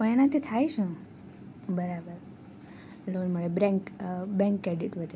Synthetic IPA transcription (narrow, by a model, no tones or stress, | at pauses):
pəɳenat̪ʰit̪ʰajʃə̃ | bəɾabəɾ | lonməɭebɾɛ̃ŋkbɛ̃ŋkːɾeɖiʈʋəd̪e